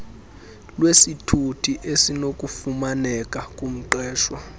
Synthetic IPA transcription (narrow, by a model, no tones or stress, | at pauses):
lwesitʰutʰiʔesinok̬ʼufumanɛkʼakʼum̩ǃɛːʃwa